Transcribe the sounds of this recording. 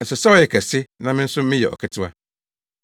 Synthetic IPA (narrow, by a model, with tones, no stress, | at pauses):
n̩˨sɛ˨sɛ˦ɔ˦jɛ˨kʰæ˨sɪ˦nã˨mɪ̃˦n̩˦sʊ˦mɪ̃˦jɛ̰˨ɔ̰˨kʰɪ˦tʰɪ˦a˦